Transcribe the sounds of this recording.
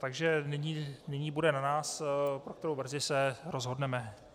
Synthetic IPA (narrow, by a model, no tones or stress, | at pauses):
t̪aɡʒɛnɪɲiːnɪɲiːbudɛnanaːspɾok̚t̪ɛɾowvr̩zɪsɛɾozɦo̞dnɛmɛ